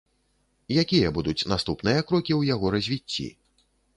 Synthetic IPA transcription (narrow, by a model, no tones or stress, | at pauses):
jakʲijɐbud̪ut͡sʲnast̪upnɨjɐkɾɔkʲiwjaɣɔɾɐzʲvʲit͡sʲːḭ